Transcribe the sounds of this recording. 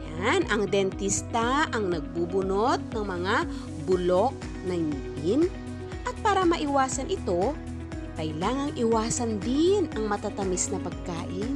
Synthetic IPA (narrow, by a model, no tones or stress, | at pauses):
janɐŋd̪ɛnt̪ist̪aʔɐŋnɐɡ̚bubʊnot̪̚nɐŋmɐŋa | bʊlo̞k̚ | nɐŋʔɪn | ʔɐt̪̚paːɾɐmɐʔɪwaːsɐnʔɪt̪o̞ | kɐjlaːŋɐŋʔɪwaːsɐnd̪ɪnɐŋmɐt̪at̪ɐmisnɐpɐɡ̚kaːʔɪn